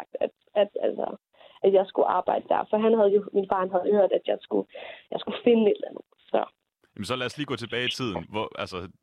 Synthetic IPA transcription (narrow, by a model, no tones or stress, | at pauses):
ɡ̥̚d̥æd̥ | æd̥ælsɒ̰ | ʔæd̥jɑ̈ɪsɡ̥uʔɑ̈ːb̥ɑ̈ɪ̰d̥əd̥æɐfɒ̽ɦænɦæð̞ˠjo̝minfɑ̈ːnɦæð̩ˠyðˠɐd̥æd̥jɑ̈ɪsɡ̥ujɑ̈ɪsɡ̥ufe̝nəe̝d̥lænð̩ˠsɒ̽ | jɛmnsɒ̽læɐsliːɡ̥ɔ̰ːt͡sʰe̝b̥ɛːit͡sʰið̞̰ˠn̩ʋɒælsɐ